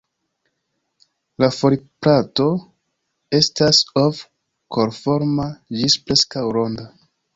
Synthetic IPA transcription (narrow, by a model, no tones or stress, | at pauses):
lafoɾipɾato̞ | e̞stasof | kʰoɾfo̞ɾmad͡ʒispɾe̞skawɾo̞nda